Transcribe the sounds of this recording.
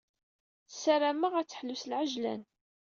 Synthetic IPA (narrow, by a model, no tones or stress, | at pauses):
θsæɾæmaʁæt͡sːə̥ħlːuslʕəʒlæ̰n